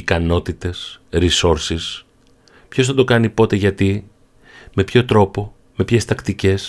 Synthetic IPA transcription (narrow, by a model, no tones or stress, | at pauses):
ikɐno̞t̪it̪e̞sɾiso̞ɾsis | pço̞sθɐd̪o̞kɐnipo̞t̪e̞ʝɐt̪i | me̞pço̞t̪ɾo̞po̞ | me̞pçe̞st̪ɐkt̪ice̞s